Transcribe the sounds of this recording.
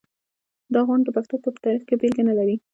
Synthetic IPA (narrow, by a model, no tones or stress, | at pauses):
d̪əɑɣwɑnd̪əpaxt̪ot̪opə̥t̪ɑɾixkebelɡanalaɾi